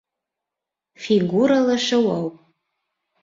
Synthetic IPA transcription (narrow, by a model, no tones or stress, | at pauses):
fiɡuɾalaʂawawpʼ